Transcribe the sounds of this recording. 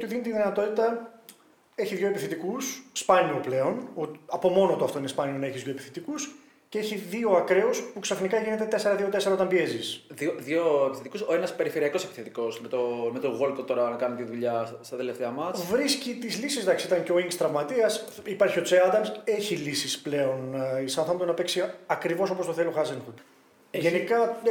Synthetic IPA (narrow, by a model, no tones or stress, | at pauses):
ot̪iðinot̪t̪iðinɐt̪o̞t̪it̪ɐ | e̞çiðʝo̞epiθet̪ikusspɐniople̞o̞noɐpo̞mo̞not̪oɐft̪oinespɐnioneçizðʝo̞epiθi̥t̪ikus | ceeçiðio̞ɐkɾe̞ospuksɐfnikɐʝine̞t̪e̞t̪e̞se̞ɾɐðio̞t̪e̞se̞ɾɐot̪ɐmbie̞zisðioðʝoepiθet̪ikusoenɐspe̞ɾife̞ɾiɐko̞se̞pi̥θet̪iko̞smet̪omet̪oɣo̞lkot̪o̞ɾɐkɐnet̪iðuʎɐst̪ɐt̪eleft̪eɐmɐt͡svɾiscit̪izlisizðɐksiit̪ɐnceoiŋkst̪ɾɐvmɐt̪iɐs | ipɐɾçio̞t͡seɐd̪ɐnse̞çilisisple̞o̞nisɐnθɐmpt̪onɐpeksiɐkɾivo̞so̞post̪oθe̞loxɐzenxut̪ | ʝenikɐ